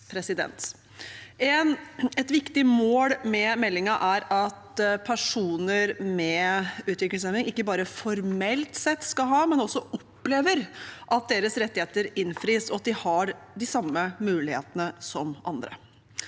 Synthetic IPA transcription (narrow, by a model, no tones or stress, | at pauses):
pʰɾɛsɪd̪ɛ̰nt̪ | ɛnɛt̪ʋɪkt̪ɪmoːɽmɛmɛlːɪŋɑʔæɾɑt̪pʰæʂuːnəɾmɛʉːt̪ʋɪklɪsɛnɪŋɪkːəbɑːɾəfɔɾmɛlt̪sɛt̪ːskɑɦɑːmɛnɔsːɔɔpːleːʋəɾʔɑt̪̚d̪eːɾəsɾɛt̪ːɪheːt̪əɾɪnfɾiːsɔɑt̪̚d̪ɪhɑɾd̪ɪsɑmːəmʉːlɪhḛːt̪ənəsɔmʔɑ̰nd̪ɾə̰